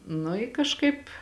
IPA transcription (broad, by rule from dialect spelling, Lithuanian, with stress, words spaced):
nʊ ɪ kɐʃˈkɐɪp